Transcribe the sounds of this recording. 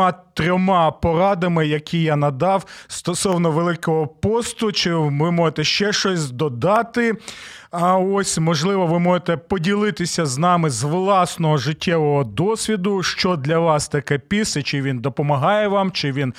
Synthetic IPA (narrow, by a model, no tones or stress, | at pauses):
ɑt̪ɾʲɔmɑpɔɾɑd̪ɐmɪjɐkʲʰijanɐd̪ɑwst̪ɔsɔwnɔʋelˠɪkɔɦɔpɔst̪ʊt͡ʃɪʋɪmɔʒet̪ɛʃt͡ʃɛʃt͡ʃɔsʲzd̪ɔd̪ɑt̪ɪ | ɐɔsʲmɔʒlˠɪʋɔʋɪmɔʒet̪ɛpɔdʲilˠɪt̪ɪsʲɐznɑmɪzʋlˠɑsnɔɦɔʒɪtʲːɛʋɔɦɔd̪ɔsʲʋʲid̪ʊʃt͡ʃɔd̪lʲɐʋɑst̪ɐkɛpʲisɛt͡ʃɪʋʲind̪ɔpɔmɐɦɑjɛʋɑmt͡ʃɪʋʲin